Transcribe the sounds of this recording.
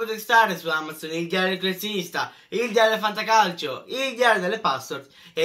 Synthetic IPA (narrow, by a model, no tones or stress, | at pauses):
ot̪est̪aːɾesuamːat̪zonild̪jaɾed̪elkolːet̪sjinist̪a | ild̪jaɾed̪elfant̪̬akalt͡ʃoild̪jaːɾed̪elːepast̪oɾt̪ | e